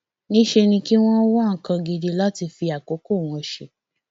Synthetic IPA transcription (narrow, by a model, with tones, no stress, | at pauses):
nĩ˦ʃe˧nĩ˧ki˦w̃ɔ̃˦wɔ̃˦˨kã˧ɡe˧de˧la˦ti˧fi˧a˨ko˨˦ko˦˨w̃ɔ̃˨˧ʃe˧